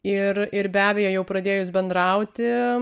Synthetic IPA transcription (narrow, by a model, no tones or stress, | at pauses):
ɪrɪɾbʲæːbʲɛːjoːjɛʊpɾɐd̪ʲeːjʊsbʲɛnd̪ɾɐʊt̪ʲɪ